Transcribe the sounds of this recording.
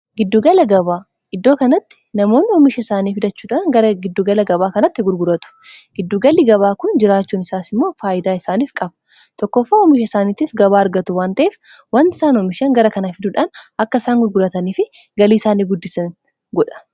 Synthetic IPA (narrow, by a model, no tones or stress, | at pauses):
ɡɪd̪ːuɡɐlɐɡɐβaː | ʔɪd̪ːo̞ːkɐnɐt̪ːɪ̥nɐmo̞ːnːɪɔmɪʃɐɪsaːniːfɪd̪ɐt͡ʃːuːᶑaːnɡɐɾɐɡɪd̪ːuɡɐlɐɡɐbaːkɐnɐt̪ːɪɡʊɾɡʊɾɐt̪ʊ̥ɡ̥ɪd̪ːuɡɐlːiɡɐβaːkʊnd͡ʒɪɾaːt͡ʃːuːnɪsaːsɪmːo̞ːfaːʔɪd̪aːɪsaːniːfkʼɐbɐ̥ | t̪ɔkːɔfːaːɔmɪʃɐɪsaːniːt̪iːfɡɐbaːɐɾɡɐt̪ʊwaːnt̪ɐʔeːf | wɐnt̪ɪ̥saːnɔmɪʃɐŋɡɐɾɐkɐnɐfɪd̪ʊᶑaːnɐkːɐɪsaːŋɡʊɾɡʊɾɐt̪ɐniːfɪ | ɡɐliːɪsaːniːɡʊd̪ːɪsɐn | ɡɔᶑɐ̥